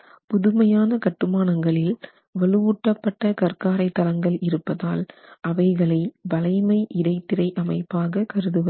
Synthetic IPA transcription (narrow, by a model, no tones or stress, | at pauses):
pʊðɯmɐjaːnɐkɐʈːɯmaːnɐŋɡɐɭɪl | ʋɐɭɯuːʈːɐpːɐʈːɐkɐrkaːɾɐɪt̪ːɐlɐŋɡɐɭɪɾɯpːɐðaːlʔɐʋɐɪɣɐɭɐɪbɐlɐɪmɐɪʔɪɽɐɪt̪ːɪɾɐɪʔɐmɐɪpːaːɣɐkɐɾɯðɯʋɐ